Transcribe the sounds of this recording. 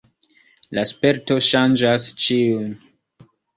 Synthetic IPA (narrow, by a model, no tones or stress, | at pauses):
laspe̞ɾto̞ʃand͡ʒast͡ʃiun